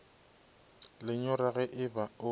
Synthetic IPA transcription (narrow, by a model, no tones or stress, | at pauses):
lɪɲʊɾaɣɛʔɪbaʊ